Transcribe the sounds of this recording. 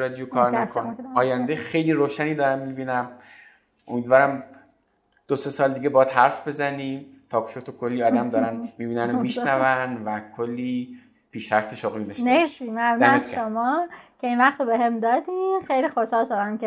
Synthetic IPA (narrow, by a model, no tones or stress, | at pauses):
ɾɒd̪ijokʰɒːɾnækʰonɒːjænd̪ejxejliːɾoːʃæniːd̪ɒːɾæmmibiːnæm | ʔomiːd̪vɒːɾæm | d̪̥osesɒːld̪iːɡebɒjæd̪hæɾfbe̞zæniːmt̪ʰɒːkʰʃot̪ʰokʰolːiɒːd̪æmd̪ɒːɾænmiːbiːnænomiʃnævænvækʰolːiː | pʰiːʃɾæft̪ʰe̞ʃoɣlid̪ɒʃnesimæmnːzʃomɒːkʰeinvæχt̪obeɦemd̪ɒːd̪ixejliːxoʃɒːlʃoɾæmke